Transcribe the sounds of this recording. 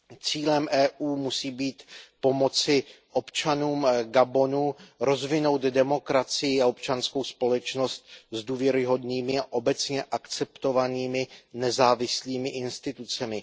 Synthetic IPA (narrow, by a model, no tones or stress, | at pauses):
t͡siːlɛmʔɛːʔuːmusiːbiːt̪po̞mo̞t͡sɪʔo̞pt͡ʃanuːmɡabo̞nuɾo̞zvɪno̞wt̪dɛmo̞kɾat͡sɪjɪaop̚t͡ʃansko̞wspo̞lɛt͡ʃno̞st̪̚zduːvjɛɾɪɦo̞dniːmɪaʔo̞bɛt͡sɲɛʔakt͡sɛpt̪o̞vaniːmɪnɛzaːvɪsliːmɪʔɪnst̪ɪt̪ut͡sɛmɪ